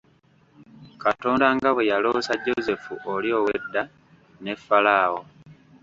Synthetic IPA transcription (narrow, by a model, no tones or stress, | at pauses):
katoːndaŋɡaβwejalosaɟːoze̞fṵʔolio̞ːwedːa | ne̞fːalaːwo